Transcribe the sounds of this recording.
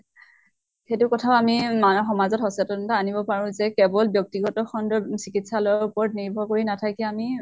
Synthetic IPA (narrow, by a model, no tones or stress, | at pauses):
xetʊkɔtʰaʊamimanɔxɔmazɔtɦɔsɛtɔntaanibɔpaɹʊ̃zɛkɛbɔlbjɔk̚tiɡɔtɔxɔndɔsikitsalɔaɹupɔɹɔt̚niɹbʱɔɹkoɹinatʰakiami